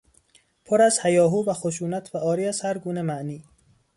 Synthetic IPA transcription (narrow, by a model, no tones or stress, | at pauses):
pʰoɾæzhæjɒːɦuːbæxoʃuːnæt̪ʰvæɒːɾiːæzhæɾɡuːnemæʔniː